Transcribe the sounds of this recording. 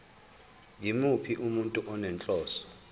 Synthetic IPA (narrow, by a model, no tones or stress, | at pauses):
ŋimupʰiʔumuntʼuʔɔnɛnt͡ɬʼɔːsɔ̥